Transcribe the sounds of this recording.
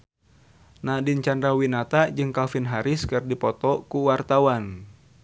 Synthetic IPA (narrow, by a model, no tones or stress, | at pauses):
nahdint͡ʃandɾawinat̪aʔd͡ʒɨŋkafinɦaɾɪskɨrdipɔt̪ɔkuwart̪awan